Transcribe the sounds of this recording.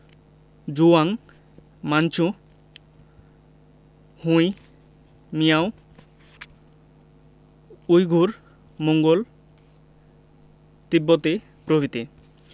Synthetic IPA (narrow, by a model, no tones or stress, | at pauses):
d͡ʑuaŋ | mant͡ɕʰu | hũj | mijaw | ujɡʱuɾ | moŋɡol | t̪ibːot̪e | pɾobʱit̪e